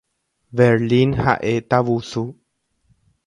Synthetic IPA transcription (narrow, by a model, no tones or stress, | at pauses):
bɛɾlinha̰ʔet̪aʋusu